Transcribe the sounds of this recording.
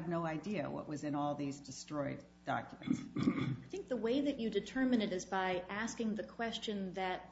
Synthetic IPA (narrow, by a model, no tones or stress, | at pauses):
vⁿnoʊaɪdiɨ̰wʌ̰ʔwʌzɨ̃nɔlˠðizdɨstɹ̥ɔɪd | d̥ɑ̰kjm̃ntsaɪθɪ̃ŋk̚ðəweɪðɨt͡ʃɨdɨtʰɜ˞mɨ̃nɨɾɨzbaɪʔæskɪ̃ŋðɨkʰw̥ɛst͡ʃɨ̃nðɨt̚